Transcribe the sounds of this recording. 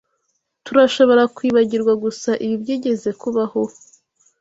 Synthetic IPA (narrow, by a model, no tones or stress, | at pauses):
tuɾaʃo̞βo̞ɾakwiːβaɟiɾɡwaɡusaʔiβibɟiːɟe̞ze̞kuβaho̞